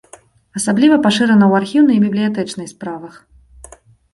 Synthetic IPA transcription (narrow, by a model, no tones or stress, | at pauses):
ɐsablʲivɐpaʂɨɾɐnɐwarxʲiwnɐjbʲiblʲijat̪ɛt͡ʂnɨjspɾavɐx